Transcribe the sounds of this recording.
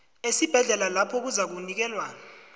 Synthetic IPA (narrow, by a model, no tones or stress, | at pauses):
esib̥ʱɛɮɛlalapʰɔk̬uzak̬unik̬ɛːlwa